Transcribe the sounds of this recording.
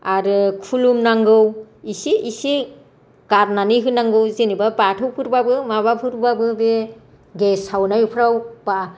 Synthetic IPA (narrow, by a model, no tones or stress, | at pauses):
aɾɯkʰulumnaŋɡɯw | isiisi | ɡ̥aɾnaniɦɯnaŋɡɯwzenibabatʰɯwpʰɯɾbabɯmaβapʰɯɾbabɯbe | ɡesawnajpʰɾawb̥a